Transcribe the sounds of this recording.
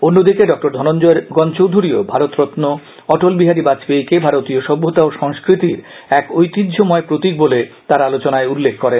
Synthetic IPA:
onːod̪ikeɖɔk̚ʈoɾd̪ʱɔnond͡ʑɔeɾɡɔnt͡ɕowd̪ʱuɾiobʱaɾot̪ɾot̪no | ɔʈolbiɦaɾibat͡ɕbejkebʱaɾot̪ioʃɔbʱːot̪aoʃɔŋskɾit̪iɾ | ɛkojt̪id̪d͡ʑʱomɔepɾot̪ik̚bolet̪aɾalot͡ɕonaeulːekʰːkɔɾen

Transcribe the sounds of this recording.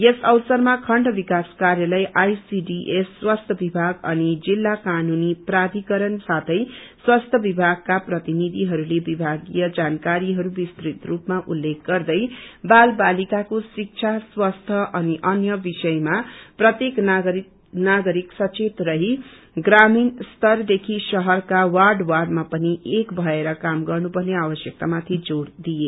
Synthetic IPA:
esʌwsʌrmakʰʌɳɖʌbikaskarjalʌjʔajsiɖiʔesːwast̪ʰʌbibʱaɡʌnid͡zilːakanuniprad̪ʱikʌɾʌnsat̪ʰʌjswast̪ʰjʌbibʱaɡ̚kaprʌt̪inid̪ʱiɦʌɾulebibʱaɡijʌd͡zankaɾiɦʌɾubist̪ɾit̪rupmaʔulːek̚ʰɡʌrd̪ʌjbalbalikakosik̚t͡sʰaswast̪ʰʌʔʌniʔʌnjʌbisʌjmaprʌt̪jeknɡɾi | naɡʌɾiksʌt͡set̪rʌɦi | ɡraminst̪ʌrd̪ekʰisʌɦʌrkawarɖwarɖmapʌniʔekbʱʌeɾʌkamɡʌrnupʌrneawʌsjʌk̚t̪amat̪ʰid͡zoɽd̪ije

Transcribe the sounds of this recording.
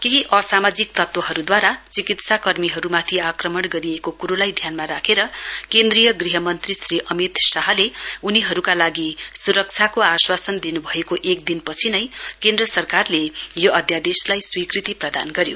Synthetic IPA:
keɦiʔʌsamad͡zik̚t̪ʌt̪wʌɦʌɾud̪waɾat͡sikit̪sakʌrmiɦʌɾumat̪ʰiakrʌmʌɽɡʌɾiekokuɾolajd̪ʱjanmaɾakʰeɾʌkend̪rijʌɡriɦʌmʌnt̪risriʔʌmit̪saɦleuniɦʌɾukalaɡisuɾʌk̚t͡sʰjakoaswasʌnd̪inubʱʌekoʔek̚d̪inpʌt͡sʰinʌjkend̪rʌsʌrkarlejoʌd̪ʱjad̪eslajswikrit̪iprʌd̪a̰nɡʌɾjo

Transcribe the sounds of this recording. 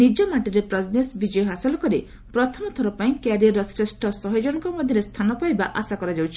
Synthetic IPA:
nid͡ʒɔmaʈiɾepɾɔd͡ʒnesbid͡ʒɔjɔɦasɔlɔkɔɾi | pɾɔt̪ʰɔmɔt̪ʰɔɾɔpaĩkaɾiaɾɔsɾesʈʰɔsɔɦɔd͡ʒɔɽ̃ɔkɔmɔd̪ʱjɔɾest̪ʰanɔpajbaʔasakɔɾad͡ʒawt͡ʃʰi̥

